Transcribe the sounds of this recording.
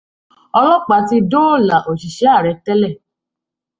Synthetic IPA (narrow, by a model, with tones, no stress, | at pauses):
ɔ˧lɔ˦k͡pa˧ti˧do˦˨la˨ʔo˨ʃi˨ʃɛ˨˦a˦˨ɾɛ˨˧tɛ˦lɛ˦˨